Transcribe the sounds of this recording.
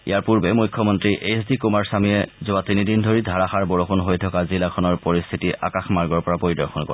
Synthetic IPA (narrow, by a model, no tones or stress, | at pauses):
ḭjaɹpuɹbɛmujkʰːɔmɔntɹiʔesdikumaɹsamiɛzʊatinidindʱoɹidʱaɹaxaɹbɔɹoxunɦojtʰɔkazilakʰɔnɔɹpoɹist̪ʰitiʔa̰kaxmaɹɡɔɹpɔɹapoɹidɔɹxɔnkɔ̰ɹ